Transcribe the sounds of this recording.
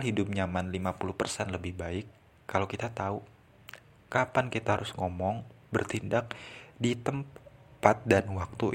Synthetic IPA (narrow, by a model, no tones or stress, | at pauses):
alɦidʊp̚ɲamanlimapulʊpərsɛnləbɪhbaɪkː | alokit̪at̪au | kapankit̪aɦaɾʊsŋɔmɔŋbərt̪indak̚dit̪əmpat̪̚danwak̚t̪u